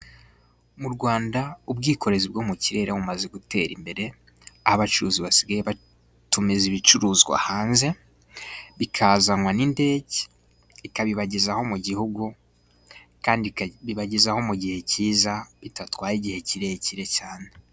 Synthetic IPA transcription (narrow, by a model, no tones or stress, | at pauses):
muɾɡwaːndaubɡiːko̞ɾe̞zibɡomuciɾe̞ɾʔaβumaze̞ɡute̞̰ɾḭmbe̞ɾe̞ | ahaβat͡ʃuɾuːziβasiɡajeβa | tumeziβit͡ʃuɾuːzɡwa̰haːnze̞ | βikʰazaŋwaninde̞ːɟe | ikaβiβaɟezaho̞muɟihuɡu | kaːndiβiβaɟezaho̞muɟihe̞ciːzaβitatwaːɾiɟihe̞ciɾe̞jeciɾe̞caːne̞